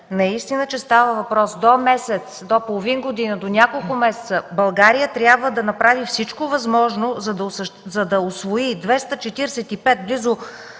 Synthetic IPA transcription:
nɐist̪inət͡ʃɛst̪avəvɐpɾɔsd̪omɛsɛt̪sd̪opolˠovinɡod̪inəd̪onʲakolˠkʊmɛsɛ̥t̪səbɐlˠɡaɾijət̪ɾʲjabvəd̪ɐnɐpɾavifsit͡ʃkovɐzmɔʒnozɐd̪sʃzɐd̪ɐʊsvoid̪vɛst̪ət͡ʃɛt̪iɾsɛt̪ipɛt̪̚blizʊ

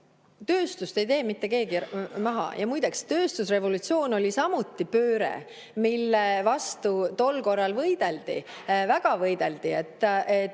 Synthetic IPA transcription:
t̪ø̞ːst̪ust̪e̞jt̪e̞ːmit̪ːe̞ke̞ːɡ̥imɑɦɑ̰jɑmujd̪ekst̪ø̞ːst̪usre̞vo̞lut̪sio̞ːno̞lisɑmut̪ːˑipøːɾḛ | milːevɑst̪ut̪o̞lko̞rːɑlvɤjd̪̥e̞ld̪ḭ | væɡ̥ɑvɤjd̪̥e̞ld̪iet̪ːˑe

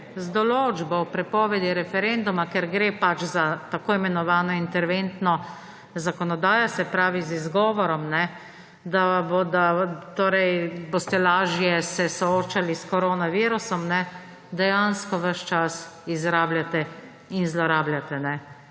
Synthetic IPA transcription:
zd̪ɔloːd͡ʒbɔwpɾɛpɔːʋɛd̪iɾɛfɛɾend̪umakɛɾɡɾeːpat͡ʃzat̪akoːimɛnɔʋaːnɔint̪ɛɾʋent̪nɔ | zakɔnɔd̪aːjɔsɛpɾaːʋizizɡɔːʋɔɾɔmnɛ | d̪abod̪at̪oːɾɛjboːst̪ɛlaːʒjɛsɛsɔoːt͡ʃaliskɔɾoːnaʋiːɾusɔmnɛ | d̪ɛjanskɔʋəʃt͡ʃasizɾaːbljat̪ɛ | inzlɔɾaːblʲjat̪ɛnɛ

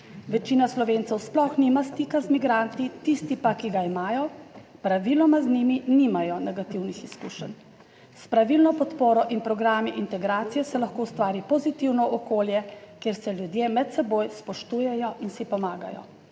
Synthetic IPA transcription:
ʋɛt͡ʃiːnaslɔʋeːnt̪sɛwsplɔxnimast̪iːkazmiɡɾant̪it̪ist̪ipakiɡaimaːjɔpɾaʋilɔmazniminimajɔnɛɡat̪iwnixiskuːʃən | spɾaʋilnɔpɔt̪poːɾɔʔinpɾɔɡɾaːmiʔint̪ɛɡɾaːt̪sijɛsɛlaxkoːwst̪ʋaːɾipɔzit̪iwnɔʔɔkoːljɛkeɾsɛljud̪jeːmɛt̪sɛboːjspɔʃt̪uːjɛjɔʔinsipɔmaːɡa̰jɔ̰

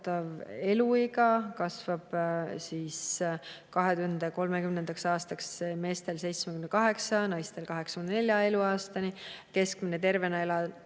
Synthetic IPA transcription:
t̪ːɑve̞luiɡɑkɑsv̥ɑb̥siːskɑɦe̞t̪uhend̪eko̞lmekymnend̪ɑksɑːst̪ɑksme̞ːst̪e̞lse̞jt̪smekymnːekɑɦe̞ksɑnɑjst̪e̞lkɑɦe̞ksɑ̥kymnnelʲjɑe̞luɑːst̪ɑnike̞skminet̪e̞ɾve̞nɑelɑ

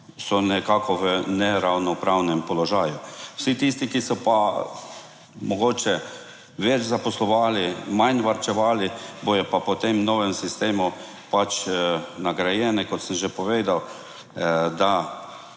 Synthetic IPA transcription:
sɔnɛkaːkʰɔʋənɛɾawnɔpɾawnɛmpɔlɔʒaːjʊwsit̪ist̪ikisɔpa | mɔɡoːt͡ʃɛ | ʋɛt͡ʃzapɔslɔʋaːlimajnʋaɾt͡ʃɛʋaːlibojɔpapɔt̪emnɔːʋɛmsist̪eːmu | pat͡ʃnaɡɾajɛnɛkɔt̪səmʒepɔʋeːd̪aw | d̪a

